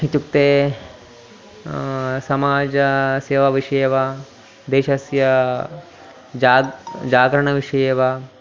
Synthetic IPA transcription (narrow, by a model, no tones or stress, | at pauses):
ɦit͡ʃukt̪eː | sɐmaːd͡ʒɐseːʋɐʋiʂɐjɐʋa | d̪eːʃɐsjɐ | d͡ʒad͡ʒaːɡɾɐɳɐʋiʂɐjɐʋa